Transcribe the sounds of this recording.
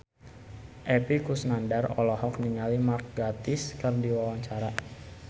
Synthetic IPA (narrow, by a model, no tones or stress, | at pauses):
ʔɛpikusnandarɔ̰lɔhɔk̚niŋalimark̚ɡat̪ɪskərdiwawaŋɲt͡ʃaɾa